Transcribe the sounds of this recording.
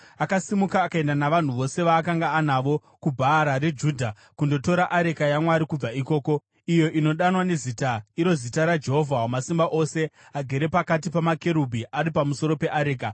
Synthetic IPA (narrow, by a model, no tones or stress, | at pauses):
akasimukaːkae̞ndanaʋan̤uʋo̞se̞ʋaːkaŋɡaːnaʋo̞ | kubʱaːɾaɾed͡ʒuːdʱa | kundo̞to̞ɾaʔaɾekajamwaɾikub͡vaiko̞ːko̞ | ijo̞ʔino̞ɗanwane̞zitaiɾo̞zitaɾad͡ʒe̞ɦo̞vʱawamasimbaʔo̞se̞aɡʱe̞ɾe̞pakat̬ipamake̞ɾubʱiʔaɾipamuso̞ɾo̞pe̞ʔaɾeːka